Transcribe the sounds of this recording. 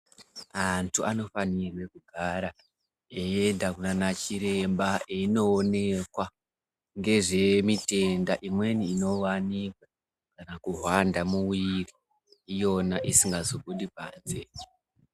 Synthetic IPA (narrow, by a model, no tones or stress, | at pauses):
antʰuʔano̞fanirwe̞kuɡʱaɾa | eendakunanat͡ʃiɾe̞mbaeino̞ːne̞kwa | ŋɡe̞ʐe̞mite̞ndaʔimwe̞niːno̞wanikwa | kanakuɦwandamuwiriː | jo̞naʔisiŋɡazobuɗipa̰nzed͡ʒe